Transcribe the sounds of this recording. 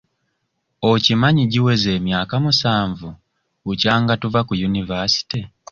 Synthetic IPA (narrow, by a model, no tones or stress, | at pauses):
ocimaɲiɟiwe̞ze̞ːmjaːkamusaːɱvu | ucaːŋɡatuvakujunivasi̥ti